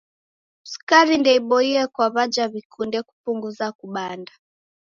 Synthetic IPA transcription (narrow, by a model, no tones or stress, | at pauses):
uskaɾindɛiɓɔiɛkwaβad͡ʒaβikʰundɛku̥puŋɡuzakuɓanda